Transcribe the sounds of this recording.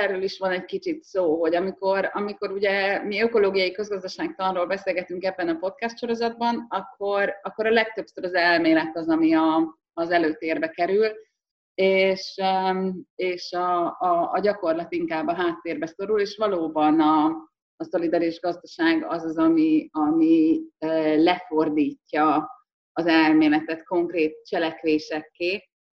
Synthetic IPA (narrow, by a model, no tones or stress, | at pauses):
ɛrøːliʃʋɒnɛɟkit͡ʃit̪soːɦo̞ɟɒmiko̞ɾɒmiko̞ɾuɟɛmiø̞ko̞loːɡijɒjikø̞zɡɒzd̪ɒʃaːɡ̚t̪ɒnroːlbɛseːlɡɛt̪yŋkɛbːɛnɒpo̞t̪kɛst̪ʃo̞ɾo̞zɒd̪̚bɒnɒkʰːo̞ɾɒkːo̞ɾɒlɛk̚t̪ø̞bsøɾɒzɛlmeːlɛt̪ɒzɒmiɒː | zɛløːt̪eːrbɛkɛɾyl | eːʃøeːʃɒː | ɟɒko̞rlɒt̪iŋkaːbːɒɦaːt̪ːeːrbɛso̞ɾuleːʃʋɒloːbɒnɒː | so̞lid̪ɒɾiʒɡɒzd̪ɒʃaːɡɒzɒzɒmiɒmiøːlɛfo̞rd̪iːcːɒː | zɛlmeːlɛt̪ɛt̪ko̞ŋkreːt̪̚t͡ʃɛlɛkʋeːʃɛkːeː